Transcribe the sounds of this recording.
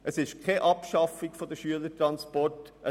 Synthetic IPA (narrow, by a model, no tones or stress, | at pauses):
ʔəsɪʃkʰeʔɑpʃɑfɪɡfod̥əʃyələtɾɑnspɔrtə